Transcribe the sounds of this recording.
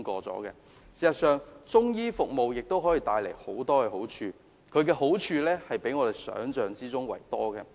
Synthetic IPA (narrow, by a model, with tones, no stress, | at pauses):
kɔː˧t͡sɔ̰ː˨˥kɛ̰ː˧ | siː˨˩sɐ˨t̚sœː˨ŋt͡sʊ˥ŋjiː˥fʊ˨k̚mo˨wjɪ˨k̚t̪o˥wɦɔː˨˥ji˨˧t̪aː˧jle˨˩jho˨˥wt̪ɔː˥kɛː˧ɦo˨˥wt͡ʃʰyː˧ | kʰɵ˨˧ɥkɛː˧ɦo˨˥wt͡ʃʰyː˧lɛː˥hɐ˨jpe˨˥jŋɔː˧t̪e˨jsœ̰ː˨˥ŋt͡sœː˨˧ŋt͡siː˥t͡sʊ˥ŋwɐ̰˨˩jt̪ɔː˥ɡɛː˧